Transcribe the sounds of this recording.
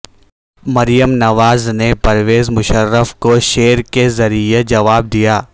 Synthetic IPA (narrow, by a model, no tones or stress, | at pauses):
mɐɾijəmnɐʋaːznepɐɾʋeːzmʊʃəɾːəfkoʃeːɾkezɐɾied͡ʒɐʋaːb̚d̪ijaː